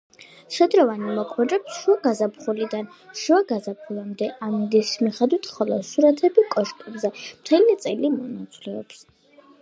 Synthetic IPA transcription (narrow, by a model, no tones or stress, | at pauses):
ʃɛd̪ɾɔvanmɔkʰwɛɾɛpsʃuaɡazapχulid̪an | ʃuaɡazapʰulamd̪ɛʔamid̪ismiχɛd̪wit̪ʰχɔlˠɔʃuɾat̪ʰɛbikʼɔʃkʼɛbzɛmt̪ʰɛlit̪sʼilimɔnat̪sʼlɛɔps